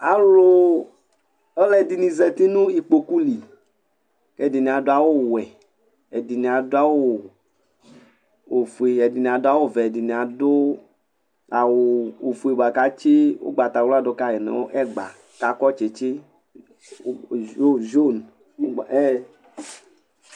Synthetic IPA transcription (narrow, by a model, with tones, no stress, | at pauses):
a˨lo˦ | e˦lɛ˨di˨nĩ˨zɛ˨t̪i˦nũ˦i˨k͡po˨ku˦li˨ | kɛ˦˨di˨nĩ˨a˨do˦a˨wo˦˨wɛ˨ | ɛ˨di˨nĩ˨a˨do˦a˦wo˦ | o˨fu˨e˨ɛ˨di˨nĩ˨a˨dʊ˦a˦wo˦vɛ˨di˨nĩ˨a˨do˦ | a˨wo˨o˨fu˨e˨ba˨ka˦t͡ʃe˦wo̰˦ɡ͡ba˨t̪a˨wla˦do˨˦ka˦˨ɛ˨nɛ̰˨wo˦ʔɛ˦ɡ͡ba̰˨ | ka˨kɔ˦t͡ʃe˨t͡ʃe˦ | o˦d͡ʒo˦n˦˨ | ɛ˦˨